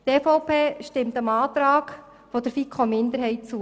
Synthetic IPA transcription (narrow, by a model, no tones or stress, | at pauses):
t̪eːfɔʊpʰeːʃtɪmt̪əmɑːt̪ɾɑːk | fɔd̥̪əɾfikʰχomɪnd̪əɾɦɛɪt̚t͡su